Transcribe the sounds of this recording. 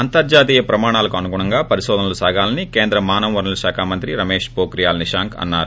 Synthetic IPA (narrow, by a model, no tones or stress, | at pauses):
ɐnt̪ɐɾd͡ʒaːt̪iːjɐpɾɐmaːɳaːlɐkuɐnukuɳɐŋɡaːpɐɾiʃɔːd̪ɐnɐlusaːɡaːlɐnikeːnd̪ɾɐmaːnɐmʋɐɾɳɐlɐʃaːkʰaːmɐnt̪ɾiɾɐmeːʂpoːkɾijaːlniʂaːŋkɐ̰nːaːɾu